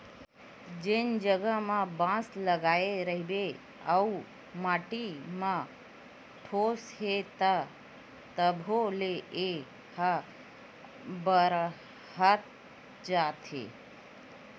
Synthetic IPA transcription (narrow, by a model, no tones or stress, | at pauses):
d͡ʒend͡ʒəɡəmãbãsləɡaeɾəɦibe | a̰u | maʈimã | ʈʰosɦet̪a | t̪əbʱolee | ha | bəɾ | hət̪̚ | d͡ʒat̪ʰḛ